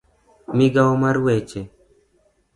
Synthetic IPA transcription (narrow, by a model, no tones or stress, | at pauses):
miɡawmaɾwet͡ʃe